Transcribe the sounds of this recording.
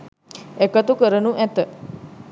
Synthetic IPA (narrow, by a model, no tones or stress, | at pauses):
ekət̪ukəɾənuʔɛt̪ə